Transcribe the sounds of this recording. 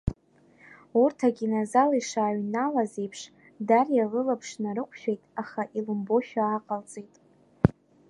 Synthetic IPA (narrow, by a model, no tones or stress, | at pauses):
urtʰaɡʲinazaliʂaːɥnalaze̞jpʰʂ | darjalɨlapʰʂnaɾɨqʷʼʰʃᶣejtʼaχaʔilɨmbo̞ʃᶣaːqʼalt͡sʼejtʼ